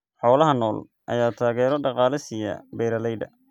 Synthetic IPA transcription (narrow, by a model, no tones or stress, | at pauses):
ħɔːlɐɦɐnɔːl | ʔɐ̰jaːt̪ʰaːɣɛːɾɔɖɑqɑːlɪsɪjɐ̰bɛːɾɐlɛjd̪ɐ̰